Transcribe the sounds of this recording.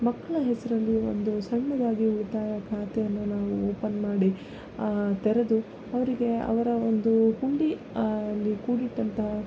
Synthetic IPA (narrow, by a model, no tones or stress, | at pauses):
mɐkːɐɭɐɦɛsɐɾɐlːio̞̰nd̪usɐɳːɐd̪aːɡiut̪ːaːjɐkʰaːt̪ɛjɐnːunaːʋuoːpɐnmaːɽi | t̪ɛɾed̪u | ɐʋɐɾiɡe̞ɐ̰ʋɐɾɐo̞nd̪uhuɳɖi | lːikuːɽiʈːɐnt̪ɐ